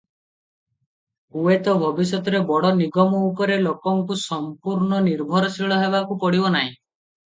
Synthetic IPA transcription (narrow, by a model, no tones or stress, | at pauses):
uet̪ɔbʱɔbis̬ɔt̪ɔɾebɔɽɔniɡɔmɔupɔɾelokɔŋkusɔmpuɾɳɔniɾbʱɔɾɔsiɭɔɦebakupɔɽibɔnaɦĩ